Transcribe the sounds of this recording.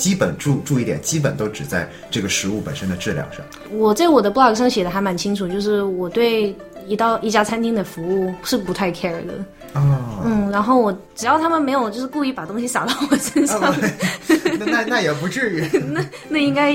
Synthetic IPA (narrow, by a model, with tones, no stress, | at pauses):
t͡ɕi˥pə̰˨˩nʈ͡ʂu˥˧ʈ͡ʂu˥˧i˥˩t̪jɛ˨˩nt͡ɕi˥p̬ə˨˩nt̪o˥ʊʈ͡ʂɻ̩˨˩t͡sa˥˧ɪ | ʈ͡ʂɤ˥˩ɡə˩ʂɻ̩˧˥u˥˩pə˨˩nʂə˥nd̪ə˨ʈ͡ʂɻ̩˥˩ljɑ̰˨˥ŋʂɑ̰˥˩ŋ | wɔ˨˩t͡sa˥˩ɪwɔ˨˩d̪ə˦pu˥˩lɑ˥˩ʂ̬ɑ˥˩ŋɕjɛ˨˩d̪ə˦xa˧ɪma˧˥nt͡ɕʰi˥ŋʈ͡ʂʰu˨˩t͡ɕjo˥˧ʊʂɻ̩˥˩wɔ˨˩t̪we˥˩ɪ | i˧˥t̪ɑ˥˧ʊʔi˥˩t͡ɕja˥t͡sʰa˥nt̪ʰi˥ŋd̪ə˨˩fu˧˥u˥˩ʂɻ̩˥˩pu˧˥t̪ʰa˥˩ɪkʰɛ˥ə˨˩d̪ə̰˩ | ɔ˥˧˩n̩˥˩ɻa˧˥nxo˥˩ʊwɔ˨˧˩ʈ͡ʂɻ̩˨˩jɑ˥˩ʊt̪ʰa˥mə˨nme˧˥ɪjo˨˩ʊt͡ɕjʂɻ̩˥˧ku˥˧i˥˩pa˨˩t̪ʊ˥ŋɕi˧sa˨˩t̪ɑ˥˩ʊwɔ˨˩ʂə˥nʂɑ˥˧ŋ˧ | a˥˧na˥˩jɛ˨˩pu˧˥ʈ͡ʂɻ̩˥˧˥na˥˩ | na˥˩i˥ŋka˥ɪ